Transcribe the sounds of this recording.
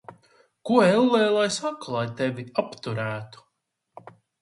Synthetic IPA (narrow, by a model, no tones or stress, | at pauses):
kuɔɛlˠːɛːlˠajsakulˠajt̪ɛviapt̪uɾæːt̪u̥